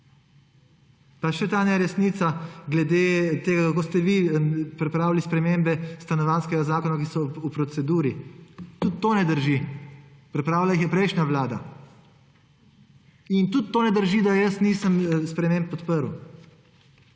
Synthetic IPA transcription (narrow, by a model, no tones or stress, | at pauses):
paʃɛt̪aːnɛɾɛsnit̪saɡlɛd̪et̪eːɡakakost̪ɛʋipɾɛpɾaːwlispɾɛmembɛst̪anɔʋaːnskɛɡazaːkɔnakisɔupɾɔt̪sɛd̪uːɾit̪ut̪ːoːnɛd̪əɾʒi | pɾɛpɾaːwlaixjɛpɾɛjʃnʲaʋlaːd̪a̰ | int̪ut̪ːonɛd̪əɾʒid̪ajəsnisəmspɾɛmẽmp̚ːɔt̪pəɾw